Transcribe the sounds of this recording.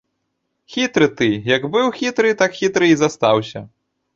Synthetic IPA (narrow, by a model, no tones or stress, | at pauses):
xʲit̪ɾɨt̪ɨjɐɡbɨwxʲit̪ɾɨt̪akxʲit̪ɾɨizast̪awsʲɐ